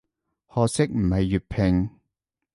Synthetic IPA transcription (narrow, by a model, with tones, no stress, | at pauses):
hɔː˧sɪ˥k̚m̩˨˩hɐ˨jːyː˨˩t̚pʰɪ˨˧ŋ